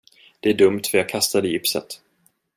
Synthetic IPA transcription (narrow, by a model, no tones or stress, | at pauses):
d̪̥ɛæɖɵmt̪fœɾjɑːɡkʰast̪ad̪əjɪpsə̰t̪